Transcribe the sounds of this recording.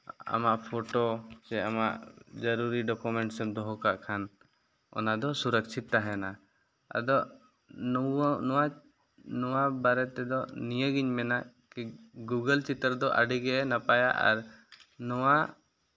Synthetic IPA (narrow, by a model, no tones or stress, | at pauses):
a̰maʔpʰɔʈɔt͡ʃɛamaʔd͡ʒəɾuɾiɖɔkumɛɳʈsɛmd̪ɔɦɔkaʔkʰan | ɔ̰nad̪ɔsuɾəkt͡ʃʰit̪ːaɦɛna | a̰d̪ɔʔ | nɔwa | nɔwabaɾɛt̪ɛd̪ɔnijəɡiɲmɛna | kiɡuɡəlt͡ʃit̪əɾd̪ɔʔəɖiɡɛʔɛnapajaʔa̰ɾnɔwa